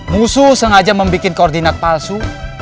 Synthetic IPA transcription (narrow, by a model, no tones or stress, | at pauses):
mususəŋad͡ʒaməmbikɪnkɔːrd̪inat̪̚palsu